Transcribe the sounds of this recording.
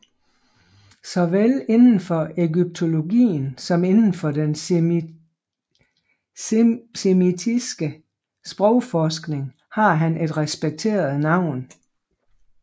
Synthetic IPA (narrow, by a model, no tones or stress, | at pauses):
sɒ̽ʋele̝nn̩fɒ̽eɡyb̥̚t͡sʰo̝lo̝ɡḭːn̩sɒ̽me̝nn̩fɒ̽d̥en | semit͡sʰisɡ̥ə | sb̥ʁɔʊfɒːsɡ̥ne̝ŋ | hɑ̈ɦænʔe̝d̥ʁɛsb̥eɡ̥̚t͡sʰe̝̰ːɐð̩ˠnɑ̈ʊ̰n